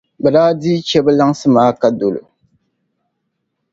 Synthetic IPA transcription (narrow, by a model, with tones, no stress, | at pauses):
bɛ˨daː˦diː˦t͡ʃɛ˦bɨ˦la˦ŋsɨ˦maː˦ka˦do˨lṵ˨